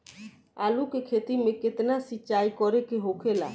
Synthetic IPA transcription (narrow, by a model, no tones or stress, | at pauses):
alukekʰet̪imeket̪nasit͡ʃajkɔɾekeɦokʰela̰